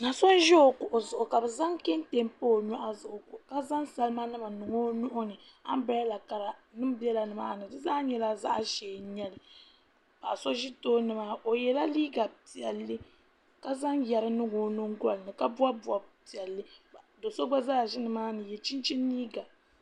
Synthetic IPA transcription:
na˨so˦n˦ʒɛ˦o˨kʊ˨ʔo˨zʊ˨ʔʊ˨ka˨bɛ˨za˦ŋkɛ˦n˦te˨mpo˦˨ɲɔ˦ʔa˦˨zʊ˨ʔʊ˨kʊ˨ka˦za˦nsa˨lɨ˦ma˦nɨ˦ma˨nɨ˨ŋo˦nʊ˦ʔʊ˦nɨ˨a˦m˦ba˨˦a˦la˨ka˨ɾa˨nɨ˦m˦bi˦ɛ˦la˨nɨ˨maː˦˨nɨ˨dɨ˦zaː˦ɲɛ˦la˦za̰˦ʔʃɛ˨ɲɛ˦lɨ˨ | ba˨so˦ʒi˦toː˦nɨ˦ma˦o˨jɛ˨la˦liː˦ɡa˨pi˨ɛ˨lːɨ˦ | ka˦za˦ŋjɛ˨ɾɨ˦nɨ˦ŋo˦nʊ˦ŋ˦ɡʷa˦lɨ˨nɨ˨ka˦bu˦a˦bu˨a˨pi˨ɛ˨lːɨ˦˨ | do˨so˦ɡ͡ba˦zaː˦˨ʒi˦nɨ˨maː˦nɨ˨jɛ˨t͡ʃi˦nt͡ʃi˦nːiː˦ɡa˨

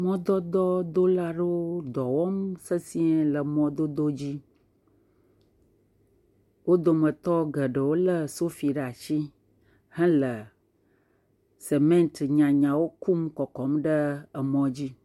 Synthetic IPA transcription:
mɔ̃˦d̪ɔ˦d̪ɔ˦d̪o˦la˦ɖə˦wo˦d̪ɔ˨wɔ˦msə˦si˦ɛ˦lə˨mɔ̃˦d̪o˦d̪o˦d͡ʑi˦ | wo˦d̪o˦mə̃˨t̪ɔ˦ɡə˨ɖə˨wo˦lə˦so˦fi˨ɖa˨ʃi˦ | hɛ̃˦lə˨ | se˨mẽ˦nt̪ɲã˨ɲã˨wo˦ku˦mkɔ˨kɔ˨˦mɖə˦ə˨mɔ̃˦d͡ʑi˦

